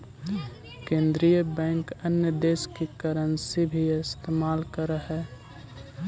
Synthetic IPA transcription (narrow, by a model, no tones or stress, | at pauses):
kẽːnd̪ɾijəbɛ̃ːŋkənjəd̪eːskikəɾənsebʱiɪst̪eːmaːlkəɾəɦɛ